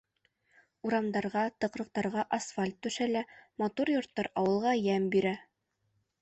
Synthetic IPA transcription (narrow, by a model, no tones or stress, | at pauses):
uɾɑmd̪ɑɾʁɑt̪ɤ̆qɾɤ̆q̚t̪ɑɾʁɑʔasfalʲt̪ːʉʃælæmɑt̪uɾjŏɾt̪ːɑɾɑwɤ̆lˠʁɑjæmbiɾæ